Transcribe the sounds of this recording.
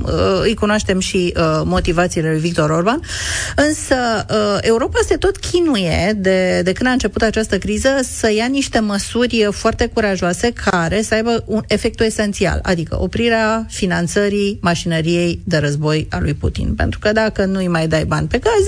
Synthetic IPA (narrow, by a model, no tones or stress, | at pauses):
ɨjkunoaʃt̪e̞mʃiəmo̞t̪ivat̪siːle̞lujvik̚t̪o̞ɾo̞rbanɨnsəe̞uɾo̞pase̞t̪o̞t̪kʲʰinuje̞d̪e̞d̪e̞kɨnd̪aɨnt͡ʃe̞put̪at͡ʃast̪əkɾizəsəjaniʃt̪e̞məsurʲfoart̪e̞kuɾaʒoase̞kʰaɾe̞səajbəune̞fe̞k̚t̪ue̞se̞nt̪sia̰la̰d̪ikə̰ʔo̞pɾiɾeafinant̪səɾimaʃinəɾije̞jd̪e̞ɾəzbo̞jalṵjpṵt̪ḭnpe̞nt̪ɾukəd̪akənuɨjmajd̪ajbanʲpe̞ɡaz